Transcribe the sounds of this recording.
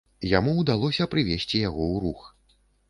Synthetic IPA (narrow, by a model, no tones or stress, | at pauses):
jamuːd̪alˠɔsʲɐpɾɨvʲesʲt͡sʲijaɣɔwɾux